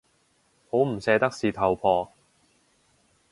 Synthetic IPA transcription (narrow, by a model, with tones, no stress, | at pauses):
ho˨˥wm̩˨˩sɛː˨˧t̪ɐ˥k̚siː˨˩t̪ʰɐ˨˩wpʰɔː˧